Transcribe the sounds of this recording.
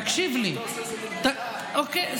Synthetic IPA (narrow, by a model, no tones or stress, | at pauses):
kʃivli | t̪ɐ | oke